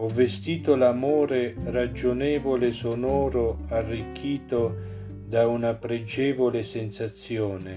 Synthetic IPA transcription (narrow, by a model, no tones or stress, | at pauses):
ɔvːest̪iːt̪olamoːɾerad͡ʒonɛːvolesonɔːɾoarːikʰːiːt̪o | d̪aunapɾed͡ʒɛːvolesɪnsat̪sjɔːne